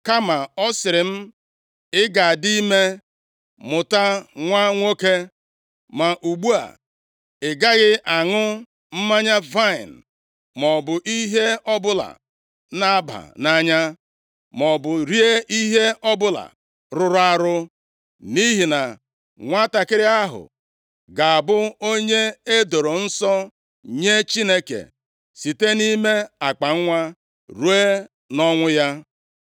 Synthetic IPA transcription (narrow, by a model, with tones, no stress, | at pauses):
ka˦ma˨ɔ˦sɪ˨ɾɪ˨m̩˦ | ɪ˦ɡa˨di˦me˦ | mʊ˨ta˦ŋʷa˦ŋʷo˦ke˦ | ma˨ʔu˨ɡ͡bu˦a̰˨ | ɪ˨ɡa˦ɣɪ˦ʔa˨ŋʊ˦ | m̩˦ma˦ɲa˦va˦ɪ˨n̩˨ | mɔ˨bʊ˨ʔi˦ɦe˦ɔ˦bʊ˦la̰˨ | na˦ba̰˨na˦ɲa˦ | mɔ˨bʊ˨ɾi˦e˦ʔi˦ɦe˦ɔ˦bʊ˦la̰˨ | ɾʊ˦ɾʊ˦a˦ɾʊ˦ | ni˦ɦi˨na˨ | ŋʷa˦ta˨kɪ˦ɾja˦ɦʊ̰˨ | ɡa˨a˨bʊ˦o˦ɲe˦e˦do˨ɾo˨n̩˦sɔ˦ | ɲe˦t͡ʃi˦ne˦kḛ˨ | si˨te˦ni˦me˦a˨k͡pa˨ŋ̩˦ŋʷa˦ | ɾu˦e˦ | nɔ˦ŋʷʊ˦ja˦